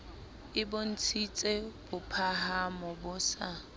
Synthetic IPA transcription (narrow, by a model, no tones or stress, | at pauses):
ɪbʊn̩t͡sʰit͡sʼeb̥ʊpʰaɦhamɔbʊsa